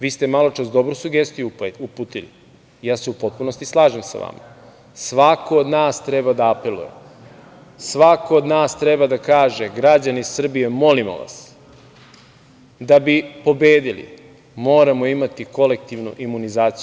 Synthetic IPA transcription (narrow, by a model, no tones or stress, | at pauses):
ʋiːst̪emalo̞t͡ʃasd̪o̞bɾusuɡe̞st̪ijuupuːt̪ili | jaːseupo̞t̪̚puno̞st̪islˠaːʒemsa̰ʋa̰ma̰ | sʋakood̪naːst̪ɾebad̪aːpelṵjḛ | sʋakood̪naːst̪ɾebad̪akaːʒeɡɾad͡ʑaniissr̩bije̞mo̞limo̰ʋa̰s | d̪abipo̞beːd̪ilḭ | mo̞ːɾamo̞imat̪iko̞le̞k̚t̪iʋnuʔimunizaːt̪si